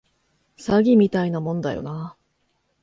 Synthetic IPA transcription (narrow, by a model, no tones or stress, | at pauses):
saɡʲimʲit̪ainamõ̞nd̪a̰jo̞̰na